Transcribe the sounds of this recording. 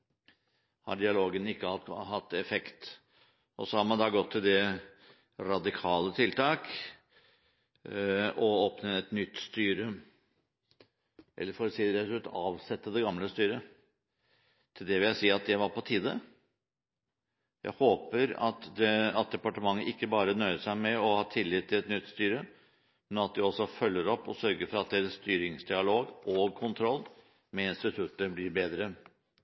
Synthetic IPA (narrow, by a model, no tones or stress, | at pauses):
hɑ̰ɖɪɑloːɡənɪkːəɑhɑt̪ːɛfɛkt̪ | ʔɔsɔhɑɾmɑnd̪ɑːɡɔt̪ʰːɪld̪ɛ | ɾɑd̪ɪkʰɑːlət̪ʰɪlt̪ʰɑːk | ɔoːpnəɛt̪nʏt̪ːst̪yːɾə | ʔɛ̰lːəɾfɔːɾsiːɾæʉt̪ɑːʋsɛt̪ːəd̪ɛɡɑmləst̪yːɾə | t̪ʰɪld̪ɛʋɪljæɪsiːɑt̪̚d̪ɛʋɑɾpɔt̪ʰiːd̪ə | jʔæ̰ɪhoːpəɾɑ̰t̪d̪ɛɑt̪̚d̪ɛpɑʈəmɑŋːəʔɪkːəbɑːɾənœʏəʂæɪmɛɔhɑːt̪ʰɪlːɪt̪ʰːɪlɛt̪nʏt̪ːst̪yːɾə | mɛnɑt̪̚d̪ɪɔsɔfœlːəɾɔpːɔ̰sœɾɡəɾfɔɾɑt̪̚d̪ɛːɾəsst̪yːɾɪŋsd̪ɪɑloːɡʔoːɡ̚kʰʊnt̪ʰɾɔlː | mɛɪnst̪ɪt̪ʰʉt̪əɾblɪɾbeːd̪ɾə